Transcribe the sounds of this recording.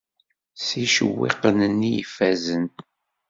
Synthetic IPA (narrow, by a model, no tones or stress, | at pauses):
siʃəwːḛqənənːijḭfæzən